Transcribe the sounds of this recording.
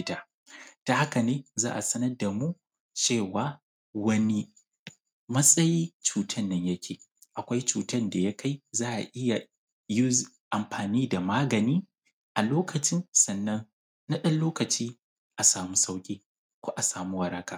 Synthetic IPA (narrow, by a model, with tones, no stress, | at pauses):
ɪ˦taː˦ | ta˨ha˦ka˨neː˦zaː˦ʔa˨sɐ˦nɐ˦rda˨mu˦ | t͡ʃeː˦˨waː˦ | wɐ˦ni˦ | mɐ˦sʼɐ˦jiː˦t͡ʃuː˨tʰɐ˦˨nːɐ˦ɲjɐ˦kʲeː˨ | ʔa˨kʷa˦jt͡ʃuː˨tɐ˦nda˨ja˦kʰa˦jzaː˦ʔa̰˨ʔɪ˦ja˨ | ji˦ | ʔa˨mɸʰaː˨niː˦da˨maː˦ɡɐ˨niː˦ | ʔa˨loː˦kʰɐ˨t͡ʃɪ˦nsɐ˨nːɐ˦ŋ | na˦ɗɐ˦nloː˦kɐ˨t͡ʃiː˦ | ʔa˨saː˨mu˦sa˦wkʲʼiː˦ | kʷoː˦ʔa˨saː˨mu˦wɐ˨ɾɐ˦ka̰ː˨